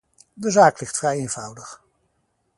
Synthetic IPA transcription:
dəzaːklɪχtfrɛjeːnv̥ʌwdəχ

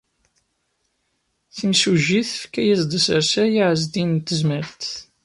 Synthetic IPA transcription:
θəmsuʒiθəfkæjæzd̪əsəɾsæjiʕəzd̪int̪ːəzməɾt̪

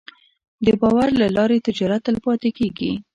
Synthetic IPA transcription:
d̪əbɑwaɾlalɑɾet̪ɪd͡ʒɑɾat̪ːalpɑt̪ekeɡḭ

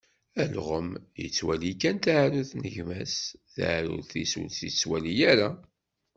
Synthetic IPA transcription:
ælʁəmjə̰t͡sːwælikænt̪ʕɾuθnəʝmæsθa̰ʕɾṵðθisṵlθjət͡sːwælijæɾa

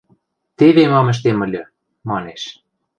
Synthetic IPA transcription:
t̪eβemɑmə̆ʃ̬t̪emə̆lʲø̆ | mɑneʃ

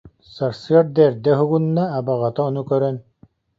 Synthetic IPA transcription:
saɾsɯɐɾd̪ɛːɾd̪ɛɦuɡunːaːbaʁat̪aɔnukœɾœn

